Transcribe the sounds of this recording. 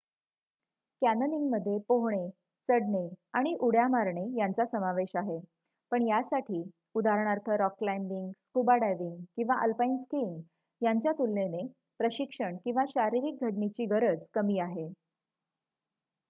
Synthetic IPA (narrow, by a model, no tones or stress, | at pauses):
kænəniŋɡməd̪ʱːjepoɦɳ̃e | t͡səɽɳeaɽ̃iʔuɽjamaɾɳejant͡sasəmaʋeɕaɦe | pəɳjasaʈʰiː | ud̪aɾəɳ̃aɾt̪ʰəɾɔkːlajmbiŋɡskubaɽajʋiŋɡkĩw̃ʋaʔəlpainskiŋ | jaɲt͡ɕjat̪ulːene | pɾəɕikʂəɳkĩw̃ʋaɕaɾiɾik̚ɡʱəɽmit͡ɕiːɡəɾəd͡zkəmiːaɦe